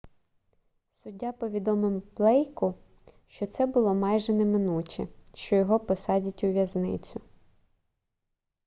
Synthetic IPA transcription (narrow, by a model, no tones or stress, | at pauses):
sʊdʲːapɔʋʲid̪ɔmɪmplˠɛjkʊ | ʃt͡ʃɔt̪sɛbʊlˠɔmɑjʒɛnɛmɪnutʲḭʃt͡ʃɔjɔɦɔpɔsɑdʲɐtʲʊʋʲjɐznɪ̰t͡sʲʊ